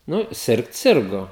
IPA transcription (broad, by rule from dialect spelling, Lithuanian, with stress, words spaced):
ˈnʊ ˈsʲɪrkt ˈsʲɪrɡoː